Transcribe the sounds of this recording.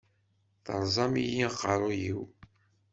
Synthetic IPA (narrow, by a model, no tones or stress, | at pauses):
θə̰ɾˤzˤɑmijiqːəɾˤʊjiw